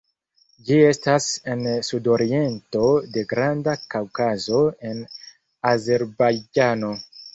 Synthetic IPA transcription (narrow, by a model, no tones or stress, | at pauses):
d͡ʒie̞stase̞nsudo̞ɾie̞nto̞de̞ɡɾandakawkazo̞e̞n | aze̞ɾbajd͡ʒano̞